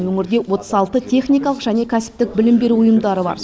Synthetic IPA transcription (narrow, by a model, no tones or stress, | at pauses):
ɵŋʲɪɾd̪ʲe̞wo̞t̪ə̥sɑlˠt̪ət̪ʲʰe̞χnijkɑlˠəqʒæne̞kʲʰæsɪ̥p̚t̪ɪk̚bɪlɪmbe̞ɾuʊjəmd̪ɑɾəbɑ̰ɾ